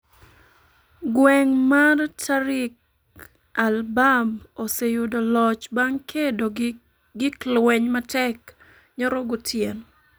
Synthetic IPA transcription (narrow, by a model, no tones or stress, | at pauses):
ɡwɛŋmartʰaɾɪk̚ | albamosejudolɔt͡ʃbaŋkʰedo | ɡɪklwɛɲmatɛk | ɲɔɾɔɡʊtʰjen